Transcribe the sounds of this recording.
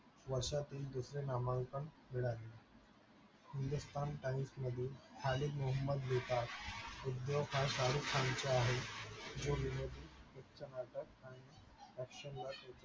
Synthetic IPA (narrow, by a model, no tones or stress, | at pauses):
ʋəɾɕat̪iːld̪usɾenamaŋkəɳmiɭalːe | hind̪ust̪ʰanʈaĩsnəd̪ʱit̪ʰalikmuɦəmːəd̪ʋet̪at̪ud̪joʋkʰasalukʰant͡ɕeaɦed͡ʑoʋinod̪ʱikekt͡ɕənaʈəkani | ɾəkɕənlat̪at͡ɕa